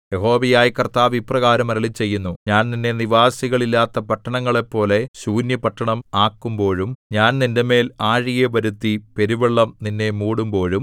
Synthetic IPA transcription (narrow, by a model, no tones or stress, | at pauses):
jeɦo̞ːʋɐjaːjkɐrt̪aːʋiprɐɣaːɾɐmɐɾɐɭit͡ɕːe̞jːunːuɲaːnninːe̞niʋaːsiɣɐɭilːaːt̪ːɐpɐʈːɐɳɐŋːɐɭe̞pːo̞ːle̞ɕuːnjɐpɐʈːɐɳɐmaːkːumbo̞ːɻumɲaːnninde̞me̞ːlaːɻijeʋɐɾut̪ːipe̞ɾuʋeɭːɐmninːe̞muːɽumbo̞ːɻum